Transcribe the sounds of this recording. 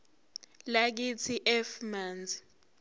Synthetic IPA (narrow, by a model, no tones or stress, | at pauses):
lak̬it͡sʰiʔɛfmaːnd͡zʱi